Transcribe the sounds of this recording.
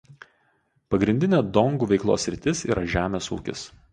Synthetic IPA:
pɐɡɾʲɪnʲd̪ʲɪnʲeːd̪ɔŋɡuːʋʲɛɪklˠo̰ːsʲɾʲɪt̪ʲɪsḭːɾʔɐʒʲæːmʲeːsṵːkʲɪ̰s

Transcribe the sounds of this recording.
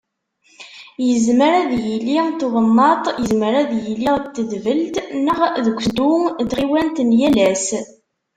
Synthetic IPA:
jəzməɾæðjəlːit̪ðənːɑt̪ˤjəzməɾæðjəlːiʁt̪ːəðvəlt̪nəʁðəkʷːd̪ud̪ʁiwænt̪njælæs

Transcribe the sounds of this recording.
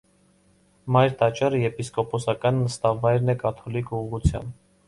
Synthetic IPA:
mɑjɾt̪ɑt͡ʃɑɾəjɛpiskɔpɔsɑkɑnːəst̪ɑvɑjɾnɛkɑt̪ʰɔlikʰuʁut͡sʰjɑ̰mb

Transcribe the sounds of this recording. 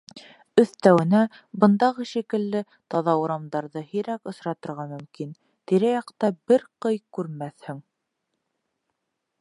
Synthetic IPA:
ɵ̆θt̪æwɘ̆næ | bɤ̆nd̪ɑʁɤʃikɘ̆lːɘ | t̪ɑðɑuɾɑmd̪ɑɾðɤhiɾækŏsɾɑt̪ŏɾʁɑmɵ̆mkin | t̪iɾɘjɑqt̪ɑbɘɾqɤjkʉɾmæθhɘŋ

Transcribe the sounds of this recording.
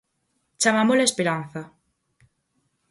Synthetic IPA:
t͡ʃamamolaespeɾan̟θa

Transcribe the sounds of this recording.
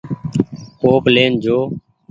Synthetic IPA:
koːpleːnd͡ʒoː

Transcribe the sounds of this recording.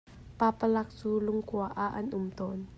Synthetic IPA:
papalak̚t͡suːlʊŋkuaʔaʔɐnʔʊmt̪ɔn

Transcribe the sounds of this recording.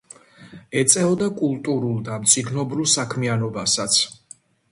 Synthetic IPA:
ɛt̪sʼɛvɔd̪akʼulˠt̪ʼuɾulˠd̪amt̪sʼiɡnɔbɾulˠsakʰmianɔbasat̪sʰ

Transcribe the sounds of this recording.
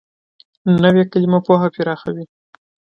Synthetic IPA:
nəwekalimopoɦapiɾɑxawi

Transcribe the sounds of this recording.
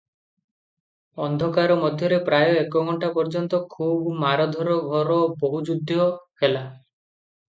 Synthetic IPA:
ɔnd̪ʱɔkaɾɔmɔd̪ʱjɔɾepɾajɔekɔɡʱɔɳʈapɔɾd͡ʒɔnt̪ɔkʰubmaɾɔd̪ʱɔɾɔɡʱɔɾɔboɦud͡ʒud̪ʱːjɔhela

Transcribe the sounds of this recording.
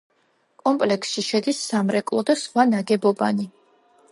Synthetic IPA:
kʼɔmpʼlɛksʃiʃɛd̪isːamɾɛkʼlˠɔd̪asχwanaɡɛbɔba̰ni

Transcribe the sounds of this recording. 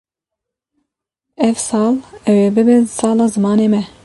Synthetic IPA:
ɛvsɑːlɛweːbɨbɨnsɑːlɑːzɨmɑːneːmɛ

